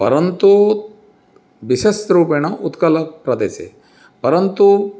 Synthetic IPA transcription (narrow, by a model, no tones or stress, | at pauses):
pɐ̰ɾənt̪u | ʋiʃesɾuːpeñɐʔut̪kɐlɐpɾɐd̪esḛ | pɐɾənt̪u